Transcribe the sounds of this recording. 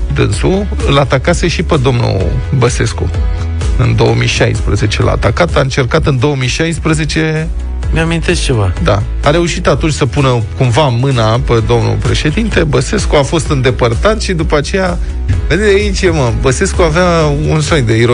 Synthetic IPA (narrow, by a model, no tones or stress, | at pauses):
d̪ɨ̰nsu | ɨlat̪akase̞ʃiped̪o̞mnṵbəse̞skṵ | ɨnd̪o̞əmḭʃajspɾə̰ze̞t͡ʃe̞lʔa̰t̪akat̪aɨnt͡ʃe̞rkat̪ɨnd̪o̞əmiʃajspɾəze̞t͡ʃe̞ | mʲamĩnt̪e̞s̚t͡ʃe̞vad̪a | aɾe̞uʃit̪at̪unt͡ʃʲsəpunəkumvamɨnaped̪o̞mnṵpɾe̞ʃe̞d̪int̪e̞bəse̞skuafo̞st̪ɨnd̪e̞pərt̪at̪ʃid̪upat͡ʃe̞ja | ved̪eait͡ʃeməbəse̞skuaveaunsojd̪eiɾo